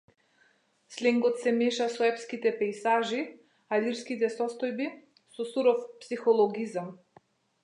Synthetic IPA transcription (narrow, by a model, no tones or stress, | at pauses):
slɛŋɡɔt̪sɛmɛʃasɔɛpskit̪ɛpɛjsaʒi | aliɾskit̪ɛsɔst̪ɔjbi | sɔsuɾɔfpsixɔlˠɔɡizam